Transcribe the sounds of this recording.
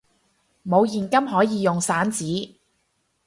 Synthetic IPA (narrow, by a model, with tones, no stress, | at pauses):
mo˨˧wjiː˨˩nkɐ˥mɦɔː˨˥jiː˨˧jʊ˨ŋsaː˨˥nt͡siː˨˥